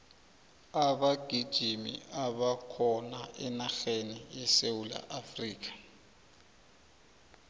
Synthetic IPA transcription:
abaɡ̥ʱid̥ʒ̥ʱimḭaβakʰɔnaʔɛnaxenijɛsewula̰ʔafriːk̬ʼḁ

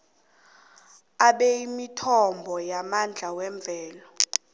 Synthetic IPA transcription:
aɓɛimitʰɔmbʱɔjamand͡ɮʱawɛɱb̪vʱɛːlɔ

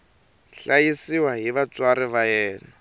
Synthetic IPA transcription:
ɬajisiwaɦiβat͡swaɾɪβajɛːna

